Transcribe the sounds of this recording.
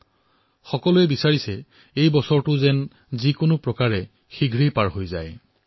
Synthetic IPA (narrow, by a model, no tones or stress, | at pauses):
xɔkɔluɛbisaɹisɛ | ejbɔsɔɹtʊzɛn | zikʊnʊpɹɔkaɹɛ | xiɡʱɹijpaɹɦojza̰j